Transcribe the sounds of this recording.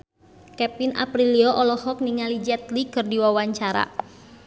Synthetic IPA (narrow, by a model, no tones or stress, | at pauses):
kɛpina̰pɾiliɔʔɔlɔhɔk̚niŋalid͡ʒɛt̪likɨrdiwawaɲt͡ʃaɾa̰